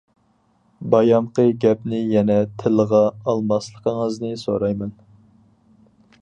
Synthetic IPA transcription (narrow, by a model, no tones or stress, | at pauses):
bɑjɑmqəɡʲɛpnɪjɛnɛt̪ʰɪləʁɑɑlˠmɑslˠəqʰəŋəznɨsoɾɑjmɛn